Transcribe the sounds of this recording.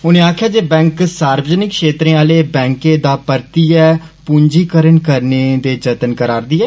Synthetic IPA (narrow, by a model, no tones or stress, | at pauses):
ʊnẽːaːkʰjaːd͡ʒeːbɛ̃ːŋksaːɾbəd͡ʒənɪkːʃeːt̪ɾẽːaːleːbɛ̃ːŋkẽːd̪aːpəɾt̪iːɛːpuɲd͡ʒiːkəɾənkəɾneːd̪eːd͡ʒət̪ənkəɾaːɾd̪iːɛː